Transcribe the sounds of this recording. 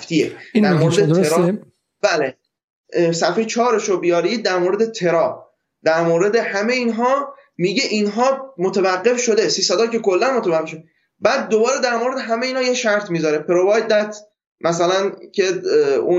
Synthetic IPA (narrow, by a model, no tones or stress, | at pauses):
ft̪ied̪æmoɾed̪et̪eɾ | bæːle | sæfejt͡ʃʰɒːɾeʃobijɒːɾiːd̪æɾmoɾe̞d̪et̪ʰe̞ɾɒː | d̪̥æɾmoːɾe̞d̪ehæmejiːnɦɒː | miɟe̞ʔinɦɒːmot̪ʰevæɢːe̞fʃo̞d̪e̞siːsæd̪ɒːce̞ko̞lːænmot̪ʰævæɡːeʃod̪e | bæːd̪̚ːobɒːɾe̞d̪æɾmoɾed̪e̞ɦæmejeinhɒːjeʃæɾt̪ʰmiːzɒːɾepʰeɾo̞vɒːjd̪æt̪ | mʔæsælæncʰe̞u